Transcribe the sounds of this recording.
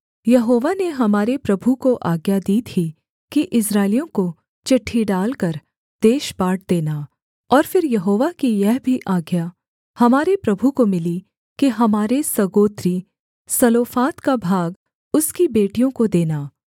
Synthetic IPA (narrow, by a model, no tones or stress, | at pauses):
jɐɦoːʋaneɦɐmaːɾepɾɐbʱukoʔaːɡjad̪iːt̪ʰi | kiʔɪs̬ɾaːɪlijõko | t͡ʃɐʈʰːiɖaːlkɐɾ | d̪̥eːʃbaːʈ̚d̪eːnaː | ɔːɾfɪɾjɐɦoːʋakijɛɦbʱiʔaːɡja | hɐmaːɾepɾɐbʱukomɪli | keɦɐmaːɾesɐɡoːt̪ɾi | sɐloːfaːt̪kabʱaːɡ | ʊskibeːʈijõkod̪eːnaː